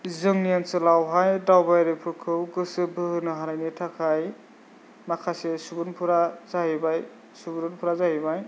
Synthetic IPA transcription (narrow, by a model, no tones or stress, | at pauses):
zɯŋnijansɯlawɦajdawbajɾepʰɯkʰɯwɡɯsɯbɯɯnɯɦaɾajnitʰakʰaj | makʰasesubunpʰuɾazaɦibaj | subuɾunpʰuɾazahibaj